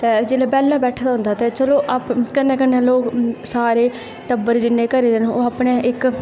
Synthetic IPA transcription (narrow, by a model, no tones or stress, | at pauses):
t̪ɛːd͡ʒeːleːbɛːlːãːbɛːʈʰaːd̪aːʊ̃nd̪aːt̪eːt͡ʃəloːʔapkənːeːkənːẽːloːksaːɾeː | ʈəbəɾd͡ʒɪnːẽːkəɾiːd̪enoːaːpɳeːʔɪk